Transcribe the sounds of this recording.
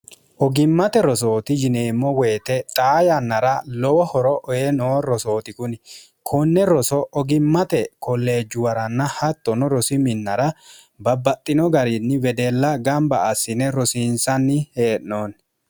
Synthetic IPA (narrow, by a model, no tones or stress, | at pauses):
ʔɔɡɪmːɐt̪ɛɾɔs̬oːt̪ɪd͡ʒɪneːmːɔwe̞ːt̪ɛt̪ʼaːjɐnːɐɾɐlɔwɔhɔɾɔʔɔjɛnoːɾɔso̞ːt̪ɪkʊn | kʰʊnːɛɾɔsɔʔɔɡɪmːɐt̪ɛkʰɔlːe̞ːd͡ʒːʊwɐɾɐnːɐhɐt̪ːɔnɔɾɔsɪmɪnːɐɾɐ | bɐbːɐt̪ʼːɪnɔɡɐɾɪnːɪwɛd̪ɛlːɐɡɐmbɐːsːɪnɛɾɔsiːnsɐnːɪheːʔnoːn